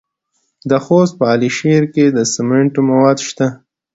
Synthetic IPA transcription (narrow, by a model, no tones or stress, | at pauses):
d̪əxost̪̚pəɑliʃeɾked̪əsɪmeɳʈomawɑd̪ʃt̪a